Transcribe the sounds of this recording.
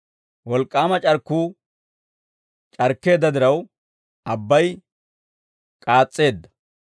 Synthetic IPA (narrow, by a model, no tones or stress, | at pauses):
wɔlkʼːaːmɐt͡ʃʼɐɾkːuː | t͡ʃʼɐɾkːe̞ːd̪ːɐd̪ɪɾɐw | ʔɐbːɐj | kʼaːt͡sʼːe̞ːd̪ːɐ̥